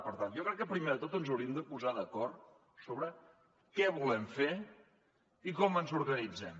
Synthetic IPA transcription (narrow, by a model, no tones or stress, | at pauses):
pəɾt̪ant̪jɔkɾɛkːəpɾimeðət̪ot̪ənzəwɾiəmd̪əpuzaðəkɔrt̪ | soβɾə | kɛβulɛmfe | ikɔmənzuɾɣənid͡zɛm